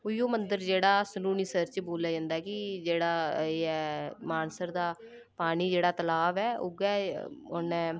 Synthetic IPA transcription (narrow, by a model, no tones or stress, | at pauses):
ʊjoːmənd̪əɾd͡ʒeːɽaːsəluːniːsəɾt͡ʃboːljaːd͡ʒãːnd̪aɛːkɪd͡ʒeːɽaːeːɛmaːnsəɾd̪aː | paːniːd͡ʒeːɽaːt̪əlaːʋɛːʊ̰ɡɛːʊnɛ̃ː